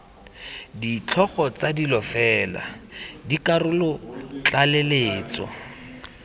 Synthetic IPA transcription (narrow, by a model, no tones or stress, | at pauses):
dit͡ɬʰɔχɔt͡sadilɔfɛːla̰dikarʊlʊt͡ɬaleleːt͡sɔ̰